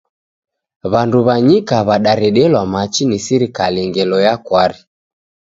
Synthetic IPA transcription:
βanduβaɲikaβaɗaɾɛɗɛlwamat͡ʃinisiɾikaliŋɡɛlɔjakwaɾi

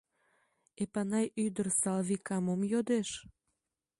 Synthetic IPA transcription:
epɑnɑjyd̪ərsɑlβikɑmomjod̪eʃ

